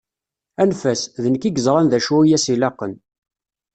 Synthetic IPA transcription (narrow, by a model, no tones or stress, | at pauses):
ænfæsðənəkiɡəzˤɾˤɑnðæʃuijæsilɑqːən